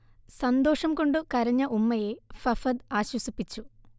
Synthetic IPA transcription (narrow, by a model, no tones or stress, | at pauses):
sɐnd̪o̞ːʂɐmko̞ɳɖɨkɐɾɐɲːɐʔumːɐje̞fɐfɐd̪aːɕwɐsipːit͡ɕːu